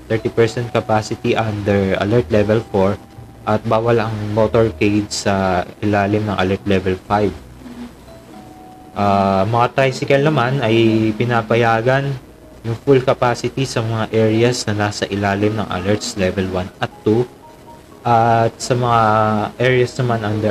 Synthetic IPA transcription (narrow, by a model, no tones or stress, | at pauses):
t̪ɛɹt̪ipɛɹsɛnt̪̚kɐpaːsɪt̪iʔand̪ɛɹʔɐ̰lɛɹt̪lɛvɛlfoɹ | ʔɐt̪̚baːwɐlɐŋmot̪oɹkejd̪sɐʔɪlaːlɪmnɐŋʔɐlɛɹt̪lɛvɛlfajv | ʔaːmɐŋat̪ajsɪkɐlnɐmanɐjpɪnapɐjaːɡɐn | jʊŋfulkɐpaːsɪt̪isɐmɐŋaʔɛɹɪɐsnɐlasɐʔɪlaːlɪmnɐŋʔɐ̰lɛɹt̪slɛvɛlwanʔɐt̪ːu | ʔɐt̪̚sɐmɐŋaʔɛɹɪɐsnɐmanʔand̪ɛ